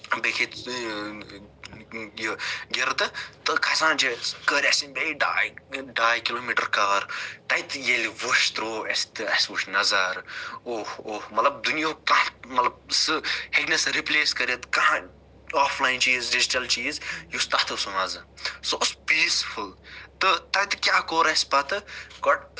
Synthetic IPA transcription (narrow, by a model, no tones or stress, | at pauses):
bekʰit̪ | jəɡeɾt̪ɨt̪ɨkʰɐsãːnd͡ʒekəːɾʲɐsinbeiɖaːjɖaːjkiloːmiːʈɐɾkɐːɾt̪ɐit̪jeliʋuʃt̪ɾoːʔɐst̪ɨɐsʋuʃnɐzɐɾoːhoːhmɐt̪lɐb̚d̪unijõːkɐɦmɐt̪lɐb̚sɨheɡnɐsɾipleːskɐɾʲɐt̪kɐɦ | aːfʰlaːjint͡ʃiːzɖid͡ʒiʈɐlt͡ʃiːzjust̪ɐht̪ɨsunɐzɐsoʔspiːsfult̪ɨt̪ɐjt̪ɨ̥kʲaːkoːɾɐspɐt̪ɨkɔʈ̚